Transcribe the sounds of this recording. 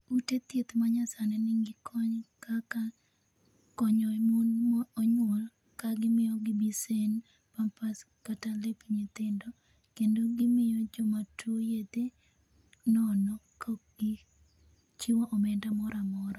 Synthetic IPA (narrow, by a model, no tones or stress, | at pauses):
utet̪jet̪maɲasanɛnɪŋɡɪkɔɲkaka | kɔɲɔɛmonmɔɔɲwol | kaɡɪmɪjɔɡɪbisen | pampas | katalepɲet̪ɪndɔ | kendoɡɪmɪjɔd͡ʒɔmatʰojed̪e | nɔnɔkoɡ̥ɪ | t͡ʃɪwɔʔɔmɛndamɔɾamɔɾa